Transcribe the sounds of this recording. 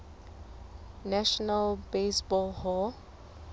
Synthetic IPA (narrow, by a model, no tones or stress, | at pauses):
nɛʃɔnalbesbɔlhɔ